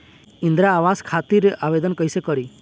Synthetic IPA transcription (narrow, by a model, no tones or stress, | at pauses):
ind̪ɾaːʋaskʰat̪iɾeʔaʋed̪ənkəjsekɔɾi